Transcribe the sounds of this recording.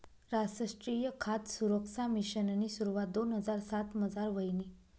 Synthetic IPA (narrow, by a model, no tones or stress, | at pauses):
ɾasəʂʈɾijəkʰat̪suɾəksamiɕənanisuɾuʋat̪̚d̪onɦəd͡zaɾsat̪məd͡zaɾʋəjni